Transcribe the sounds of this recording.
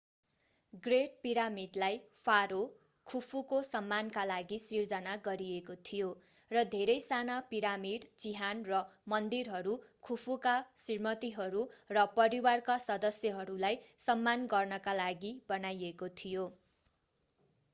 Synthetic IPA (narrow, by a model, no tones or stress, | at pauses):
ɡreʈ̚piɾamiɖlaj | pʰaɾo | kʰupʰukosʌmːankalaɡisird͡zʌnaɡʌɾiekot̪ʰijo | rʌd̪ʱeɾʌjsanapiɾamiɽt͡siɦanrʌmʌnd̪irɦʌɾukʰupʰukasirmʌt̪iɦʌɾurʌpʌɾiwarkasʌd̪ʌsjʌɦʌɾulajsʌmːanɡʌrnʌkalaɡibʌnajekot̪ʰijo